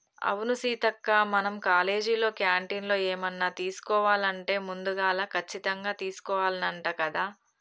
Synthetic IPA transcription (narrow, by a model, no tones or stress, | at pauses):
ɐ̰wunusiːt̪ɐkːaːmɐnɐmkaːle̞ːd͡ʒilo̞ːkjaːɳʈiːnlo̞ːeːmɐnːaːt̪iːsu̥kɔːʋaːlɐɳʈe̞ːmund̪uɡaːlaːkʰɐt͡ʃːit̪ɐŋɡaːt̪iːsu̥kɔːʋaːlɐnɐɳʈaːkɐd̪aː